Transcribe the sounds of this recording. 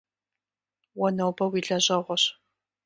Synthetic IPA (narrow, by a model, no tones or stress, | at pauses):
wɔnɐwbɐwiːɮɐʑɐʁʷɔɕ